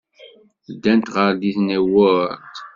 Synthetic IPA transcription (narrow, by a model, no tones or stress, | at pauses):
d̪ːænt̪ʁəɾd̪iθnæwʊɾt̪